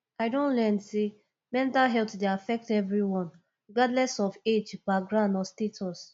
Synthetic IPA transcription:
aɪdõnlɛnse | mɛ̃ntalɦɛltdeafɛk̚tɛvɹiwɔ̃n | ɡadlɛsɔfed͡ʒbaɡɹãndɔstetʰɔs

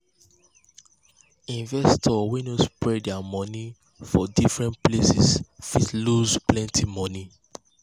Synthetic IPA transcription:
ĩnvɛstʰɔwinospɹɛdɛamɔni | fɔdifɹɛ̃nplesḭsfitluzplɛ̃ntʰimɔni

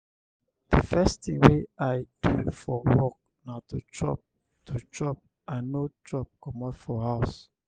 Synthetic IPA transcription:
dəfɛstĩŋweʔajdufɔwɔk̚ | natut͡ʃʰɹɔ̰p̚ | tʰut͡ʃɹɔp̚ | ʔãnotɔp̚kɔmɔtfɔhaʊs

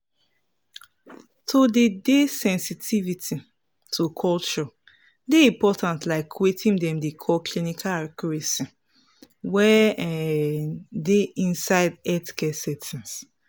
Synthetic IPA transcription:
tʰodedesɛ̃nsitʰivitʰi | tʰukʰɔlt͡ʃɔ | deĩpɔtãntlaɪkʰwetʰĩŋdɛ̃mdekʰɔkʰlinikʰalakɔɹesi | wɛɛ | deĩnsaɪdɛtkɛsɛtĩs

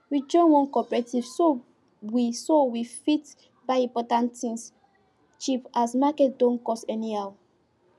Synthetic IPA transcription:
wid͡ʒɔ̃nwɔ̃nkɔpɛɹetivso | wisowifit | baɪĩmpɔtãnĩns | t͡ʃipasmakɛt̚dõnkɔstɛniaw

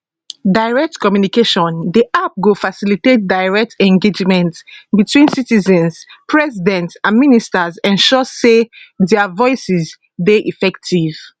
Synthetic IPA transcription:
daɪɹɛk̚tkɔmjunikeʃɔ̃ndiʔap̚ɡofasilitet̚daɪɹɛk̚tɛ̃ŋɡed͡ʒmɛ̃ntbitwĩnsitizɛ̃nzpʰɹɛzidɛ̃ntsãnministazɛ̃nʃɔzsedɛavɔɪsiz | deʔifɛktʰiv̥

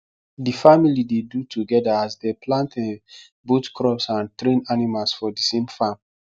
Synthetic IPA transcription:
difamilidedutʰuɡɛdaasdepʰlãntʰɛ̃ | botkɹɔpsãntɾẽnanimalsfɔdisẽmfãm

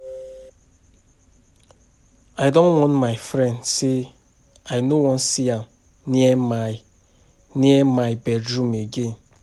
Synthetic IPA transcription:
aɪdõnwɔ̃nmaɪfɾɛ̃ndse | aɪnowɔ̃nsiam | niema | niɛmajbɛdumeɡen

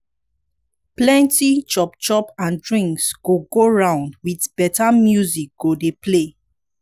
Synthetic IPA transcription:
plɛ̃ntit͡ʃɔpt͡ʃɔpãndɹĩŋksɡ̥oɡoɹãʊ̃ndwitb̥ɛtamjuzik̚ɡ̥odeple

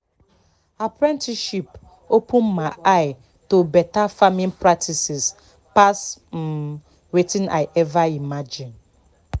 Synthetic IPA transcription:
apʰɾɛ̃ntʰiʃip | opʰũmːãʔaɪ | tobɛtafamɪ̃npʰɾak̚tʰisɪs | pʰasm̩ | wetʰĩna̰ɪʔɛvaimad͡ʒɪ̃n

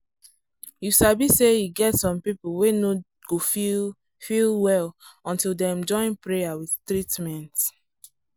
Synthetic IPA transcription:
jusabisejiɡɛtsɔ̃mpipulweno | ɡ̥ofi | filˠwɛlɔ̃ntilˠdɛ̃md͡ʒɔ̃ɪ̃npɹejawiðtɹitmɛ̃nt

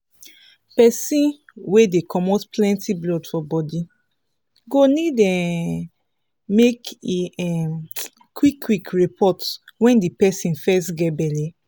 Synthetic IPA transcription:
pɛsĩn | wedekʰɔmotplɛ̃ntʰiblɔdfɔbɔdi | ɡonidɛ | mekɛ | kwikʰːwikɹipʰɔtwɛ̃ndipɛsĩnfɛstɡɛbɛlɛ

